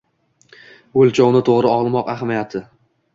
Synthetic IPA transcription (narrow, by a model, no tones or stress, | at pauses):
olˠt͡ʃʰɒwnɪt̪ʰoʁɾɪɒʁlˠmɒqahamijat̪ʰɪ